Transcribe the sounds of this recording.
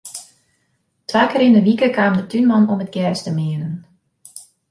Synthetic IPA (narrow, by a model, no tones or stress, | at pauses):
tʋaːkəɾɪnəʋikəkaːmdətʰynmɑnɔmət̚ɡjɛrstəmɪənən